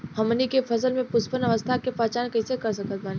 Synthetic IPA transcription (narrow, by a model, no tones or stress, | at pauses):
hɐmnikefʰɐsəlmẽpʊspənɐʋəst̪ʰakepaːt͡ʃaːnkɐɪsekɐɾs̬ɐkət̪̚maːni